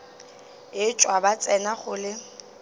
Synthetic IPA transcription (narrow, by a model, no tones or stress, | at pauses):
ɪt͡ʃʼwabat͡sʼɛnaχʊlɪ